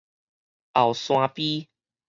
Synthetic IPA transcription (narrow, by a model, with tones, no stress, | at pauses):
ʔa˨˩wsw̃ã˧pi˦